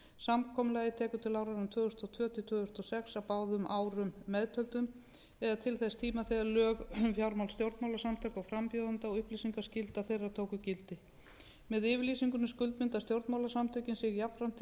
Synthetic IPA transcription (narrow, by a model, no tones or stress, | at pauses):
samkʰɔmʏlaːjðɪt̪ʰɛːkʏt̪ʰɪlaːwɾaɾʏmt̪ʰvœːɣʏst̪ɔt̪ʰvœːt̪ʰɪt̪ʰœːɣʏst̪ɔsɛksawpaːwðʏmʔaːwɾʏmːɛðt̪ʰœlt̪ʏm | ɛðat̪ʰɪlθɛst̪ʰiːmaθɛðalœːɣfjaɾmawlst̪jowɾt̪mawlasamt̪ʰœːkawfɾampjɔːðant̪aɔɣʏhpliːsiŋkascɪlt̪aθejraðt̪ʰoːwkʏcɪlt̪ɪ | mɛðɪvɪɾliːsiŋkʏnʏskʏlt̪mɪnt̪ast̪jowɾt̪mawlasamt̪ʰœcɪnsɪɣjap̪fɾan̥t̪ʰ